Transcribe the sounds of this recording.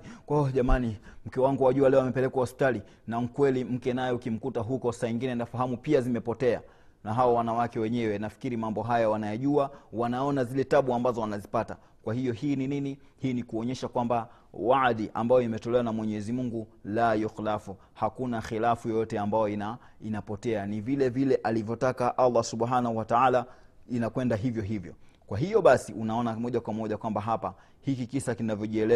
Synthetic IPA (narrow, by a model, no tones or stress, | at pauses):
ɔʄamanim̩kɛwaŋɡuwaʄualɛɔamɛpɛlɛkwahɔspi̥tali | nam̩kwɛlim̩kɛnajɛukim̩kutaɦukɔsaiŋɡinɛnafaɦamupiazimɛpɔtɛa̰ | naɦawawanawakɛwɛɲɛwɛnafi̥kiɾimambɔɦajawanajaʄuawanaɔnazilɛtaɓuambazɔwanazipata̰ | kwahijɔhiːnininihiːnikuɔɲɛʃakwamba | waðiʔa̰mbajɔimɛtɔlɛwanamwɛɲɛɛzimuŋɡulajɔxilafu | hakunaxilafujɔjɔtɛambajɔina | inapɔtɛanivilɛvilɛʔalivjɔtakaʔalˠˤːasuɓhanahuwataalainakwɛndaɦivjɔɦivjɔ̰kwaɦijɔɓasiʔunaɔnamɔʄakwamɔʄakwambaɦapa | hikikisakinavjɔʄiɛlɛ